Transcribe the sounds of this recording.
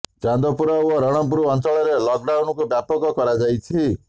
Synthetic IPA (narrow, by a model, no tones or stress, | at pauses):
t͡ʃand̪ɔpuɾɔwɔɾɔɽ̃ɔmpuɾuɔnsɔɭɔɾelɔkɖawnɔkubjapɔkɔkɔɾad͡ʒajt͡ʃʰi